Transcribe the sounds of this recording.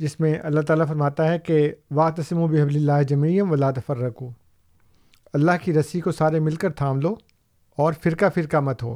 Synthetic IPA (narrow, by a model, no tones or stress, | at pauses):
d͡ʒɪsmẽʔɐ̰lːaɦt̪aːlafɐɾmaːt̪aɦɛkeʋaːkt̪ɐsɪmubɪɦɐblɪlːaːɦd͡ʒɐmiːjɐ̃mʋɐlaːt̪ɐfɐɾːɐkuː | ɐlːaɦkiɾɐsikosaːɾemɪlkɐɾt̪ʰaːmloː | ɔːɾfɪɾkafɪɾkamɐt̪ɦo̰ː